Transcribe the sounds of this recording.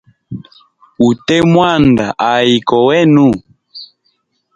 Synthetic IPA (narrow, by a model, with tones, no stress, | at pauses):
u˨tɛ˦mwa˦˨nda˨ʔa˨i˨kɔ˨wɛ˦nu˦˨